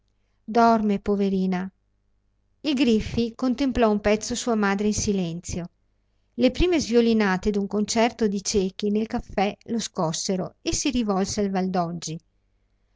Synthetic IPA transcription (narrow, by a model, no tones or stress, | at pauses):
d̪ɔrmepoveɾiːna | ilɡɾifːikont̪emplɔumpɛt̪sːosuːamaːd̪ɾeinsilɛnt̪sjo | lepɾiːmezviolinaːt̪ed̪uŋkont͡ʃɛrt̪od̪it͡ʃeːk̟inelkafːɛloskɔsːeɾo̰esːiɾivɔlsealvald̪ɔd͡ʒːi